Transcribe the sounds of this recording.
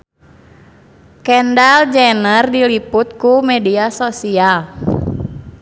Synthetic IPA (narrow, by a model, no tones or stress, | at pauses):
kɛndald͡ʒɛnərdilipʊt̪̚kumɛdiasosial